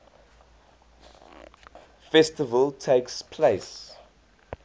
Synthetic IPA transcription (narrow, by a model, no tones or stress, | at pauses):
fɛstɪvəltʰeɪkspʰleɪs